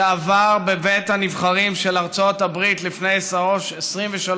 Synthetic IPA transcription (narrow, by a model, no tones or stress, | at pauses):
vaʁbebet̪hanivχaʁimʃelaʁt͡so̞tabʁitlifne̞jesaʁoʃesʁimveʃal